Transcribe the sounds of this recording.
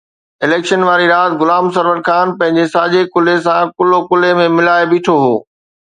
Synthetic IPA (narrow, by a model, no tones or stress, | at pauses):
ɪleːkʃənʋaːɾiɾaːt̪ɡʊlaːms̬ɐɾʋəɾxaːnpɐ̃ɦɪ̃ɲd͡ʑesaːd͡ʑekʊles̬ãkʊlokʊlemẽmɪlaːebiːʈʰoɦoː